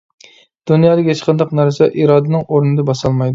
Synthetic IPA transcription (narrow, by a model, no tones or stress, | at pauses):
d̪̥unjɑːd̪ɨɡʲet͡ʃʰqɑnd̪ɑqnæɾsɛʔiɾɑːd̪ɨnɨŋoɾnɨd̪ɛbɑsɑlˠmɑjd̪ʊ